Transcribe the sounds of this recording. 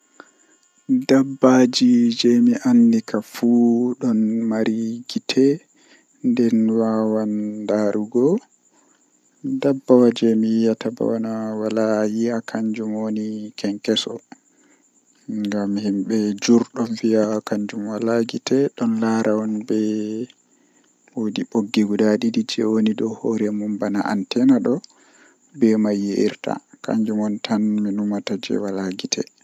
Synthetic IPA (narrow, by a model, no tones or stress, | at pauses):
dabːad͡ʒid͡ʒɛmiʔanːdikafuːɗɔnmaɾiɡitʰɛ | ndɛnwawandaɾuɡɔ | dabːawad͡ʒɛmijiataba̰wanawalajiakʰaɲd͡ʒumonikɛŋkɛsɔ | ŋɡamːihimɓɛd͡ʒuɾɗɔnviakaɲd͡ʒumwalaɡitɛɗɔnlaɾaɔnbɛ | wodiɓoɡːiɡudaɗidid͡ʒɛwonidɔhoɾɛmumbanaʔa̰ntɛnaɗɔ | bɛmajːiʔiɾta̰ka̰ɲd͡ʒumonitʰanminumatad͡ʒɛ̰walaɡitʰɛ̰